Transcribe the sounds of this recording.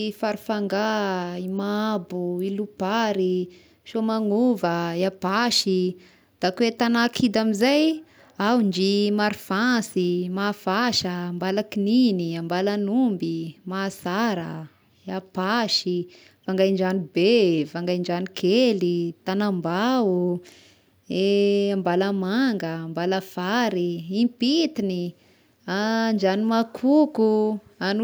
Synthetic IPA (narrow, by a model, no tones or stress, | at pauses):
faɾufaŋɡaimabuilupaɾi | ʃomaŋuvəjapaʃi | d̪̥akwet̪anakʰid̪amizaj | awɳd͡ʒimaɾifasimafaʃəːmbalakininiambalanumbimasaɾə̰ | apaʃi | vaŋɡajɳd͡ʒanibevaŋɡajɳd͡ʒanikʰelit̪anambau | eambalamaŋɡəmbaləfaɾiipit̪ini | and͡ʒanimakʰukuan